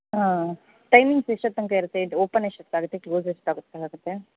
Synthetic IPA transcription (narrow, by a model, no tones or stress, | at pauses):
ɦãː | ʈɐjmĩŋɡseʃɐt̪ːɐŋkɐiɾɐt̪ːeoːpɐneʃɐt̪ːaːɡɐt̪ːekloːzeʃɐ̥t̪ːaːɡut̪ːekaːɡut̪ːe